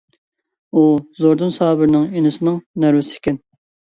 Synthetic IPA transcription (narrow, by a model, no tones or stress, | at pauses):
uzoɾd̪ɨnsɑːbɪɾnɪŋenɨsɨnɪŋnæɾvɪsɪ̥kʲɛn